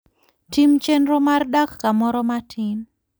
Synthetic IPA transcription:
timt͡ʃenɾomardakːamɔɾɔmatʰin

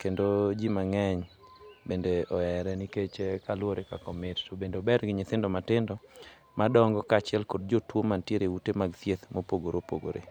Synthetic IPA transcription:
kendod͡ʒimaŋɛɲbendeʔɔɛɾɛniket͡ʃekalwoɾekakɔmɪttobendeɔbɛɾɡɪɲɪt̪ɪndɔmatɪndɔ | madɔŋɡɔkat͡ʃɪɛlkod̚d͡ʒotwomantjeɾeutemaɡt̪jet̪mopoɡoɾopo̰ɡo̰ɾʔḛ

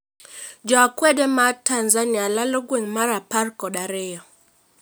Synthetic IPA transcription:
d͡ʒɔakwɛdɛmatanzanialalɔɡweŋmaɾaparkɔɗaɾɪjɔ

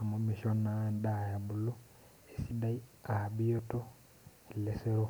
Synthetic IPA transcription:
mumiʃonandajaβulo | esidaiabijoto | eleseɾo

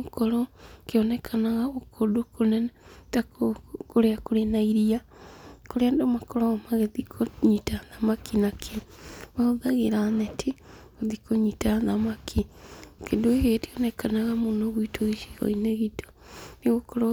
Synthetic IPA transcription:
okɔɾɔkeɔnɛkʰanaɣaokʰodokonɛnatakokoɾeakoɾenaiɾia | koɾeandomakɔɾaɣamaɣeðikʰoɲitaðamakinakʰeβaoðaɣeɾanɛtʰiɣoðikoɲitaðamakʰikendoeɦetiɔnɛkanaɣamonoɣuitʰoiʃi̥ɣɔ̰ineɣito̥niɣokɔɾɔ

